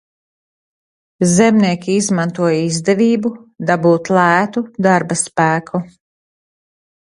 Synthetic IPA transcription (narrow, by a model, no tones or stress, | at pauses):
zɛmniɛkʲiizmant̪uɔjizd̪ɛviːbud̪abuːt̪lˠæːt̪ud̪aɾbaspæːkʰu